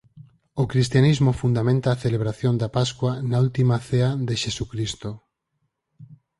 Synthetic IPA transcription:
okɾist̪janizmofund̪amẽnt̪aːθeleβ̞ɾaθjond̪apaskwanault̪imaθeaðeʃesukɾist̪o

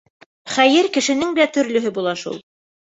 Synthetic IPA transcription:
χæjɘɾkɘ̆ʃɘ̆nɘŋɘlæt̪ɵ̆ɾlɵ̆ɦɘbulˠɑʃṵlˠ

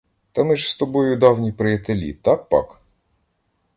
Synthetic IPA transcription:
t̪ɑmɪʒst̪ɔbɔjʊd̪ɑwnʲipɾɪjɐt̪elʲḭt̪ɑk̚pɑ̰k

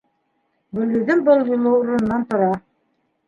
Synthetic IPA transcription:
bɵ̆lɡɵ̆ðɘnbɤlˠjŏlˠɤuɾɤ̆nːɑnt̪ŏɾɑ

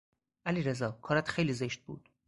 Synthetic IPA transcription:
ʔæliːɾezɒːkʰɒːɾæt̪xejliːzeʃt̪̚bṵːd̪̥

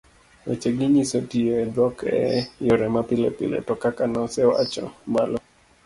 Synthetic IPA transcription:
ɔ̰t͡ʃeɡiɲisotiedwɔkɛ̰jɔɾɛmapɪlɛ̰pɪ̰lḛtɔkakanɔsɛwa̰t͡ʃɔ̰malɔ

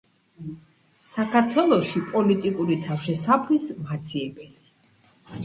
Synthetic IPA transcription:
sakʰaɾt̪ʰwɛlˠɔʃipʼɔlit̪ʼikʼuɾit̪ʰafʃɛsapʰlismat̪sʰiɛbɛli

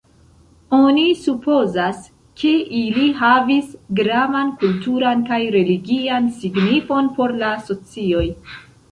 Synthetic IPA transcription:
o̞nisupo̞zas | kʰe̞ʔiliɦavisɡɾavankultuɾankajɾe̞liɡiansiɡnifo̞npo̞ɾlaso̞t͡sio̞j

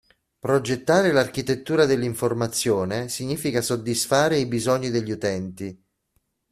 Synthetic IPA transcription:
pɾod͡ʒet̪ːaːɾelarkit̪et̪ːuːɾad̪elːiɱformat̪sːjoːnesiɲːiːfikasod̪ːisfaːɾeibizɔɲːid̪eʎːiut̪ɛnt̪i

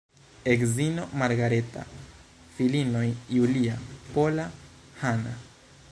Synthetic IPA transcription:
ekzino̞maɾɡaɾeta̰ | filino̞jjuliapola | hana

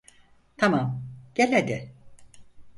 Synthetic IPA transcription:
t̪ʰamamɟ̥elʲed̪ɪ

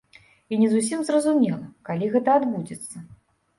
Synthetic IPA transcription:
inʲɛzusʲimzrɐzumʲɛlˠɐkalʲiɣɛt̪ɐad̪bud͡zʲɛt̪sːɐ

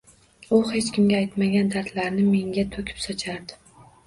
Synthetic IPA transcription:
ʊhe̞t͡ʃkʲʰɪmɡʲaajt̪maɡʲand̪aɾt̪laɾnɪme̞ŋʲat̪ʰɵkʲʰɪ̥psɒt͡ʃʰaɾd̪ɪ

